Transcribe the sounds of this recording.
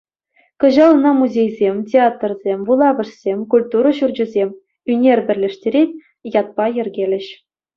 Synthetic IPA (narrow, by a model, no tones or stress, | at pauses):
kɤ̆ʑɑlˠɤ̆nɑmuzʲejzʲemʲtʲeɑt̪rzʲemʲʋulˠɑvɤ̆ʂsʲemʲkulʲt̪uɾɤ̆ɕurd͡ʑɘ̆zʲemʲ | ynʲerʲbʲɘ̆rʲlʲɘ̆ʂtʲeɾʲetʲ | jɑt̪̚pɑjɘ̆rʲɡʲelʲɘ̆ɕ